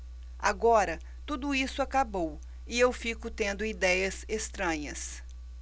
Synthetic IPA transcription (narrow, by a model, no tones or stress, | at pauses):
aɡɔɾɐ | t̪ud̪ʊisʊakabow | ɪewfikʊt̪ẽnd̪ʊid̪ɛjɐzest̪ɾɐ̃ɲɐs